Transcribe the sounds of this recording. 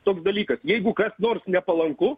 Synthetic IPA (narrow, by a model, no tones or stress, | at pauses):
t̪oːksd̪ɐlʲiːkɐsjɛɪɡʊkɐsnoːrsnʲɛpɐlˠɐŋkʊ